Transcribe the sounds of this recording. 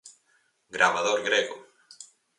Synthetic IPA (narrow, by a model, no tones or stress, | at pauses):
ɡɾaβaðoɾɡɾeɣʊ